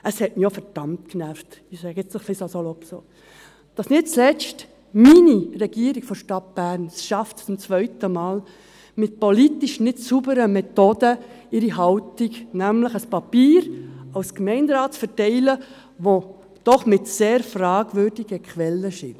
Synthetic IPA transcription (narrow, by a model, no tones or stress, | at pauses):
əshɛtmijofɛɾd̥ɑntknæftɪsɛɡɛt͡sdɔχfisosolopso | d̥ɑsnɪt̚t͡slɛt͡st | miniɾɛɡ̥iəɾiɡ̥fɔʃtɑt̚b̥æɾnsʃɑftt͡sʊmt͡sʋœʏtəmɑːl | mɪt̚politiʃnɪtsubəɾəmɛt̪oːdə | ɪɾiɦɑʊtiɡnæmləχəspɑpiːɾɑwskmɛɪndɾɑːtfəɾtɛɪlə | ʋo | d̥ɔχmɪtseːɾfrɑːɡvʏɾd̥iɡəkχʋɛlːəʃɪn